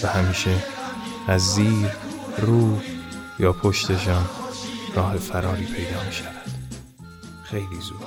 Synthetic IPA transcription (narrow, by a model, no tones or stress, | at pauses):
væhæmiːʃe | æzːiːɾruːjɒːpʰo̞ʃt̪e̞ʃɒːnrɒːɦe̞fæɾɒːɾiːpʰe̞jd̪ɒːmiːʃævænd̪̥ | xe̞jliːzuːɾ